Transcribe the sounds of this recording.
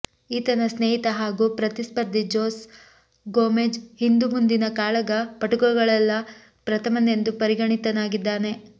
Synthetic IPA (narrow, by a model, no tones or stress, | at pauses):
iːt̪ɐnɐsneːɦit̪ɐɦaːɡupɾɐt̪ispɐɾd̪ʱid͡ʒoːs | ɡoːmed͡ʒhind̪umund̪inɐkaːɭɐɡɐpɐʈuɡɐɡɐɭɐlːɐ | pɾɐt̪ʰɐmɐne̞nd̪upɐɾiɡɐɳit̪ɐnaːɡid̪ːaːne̞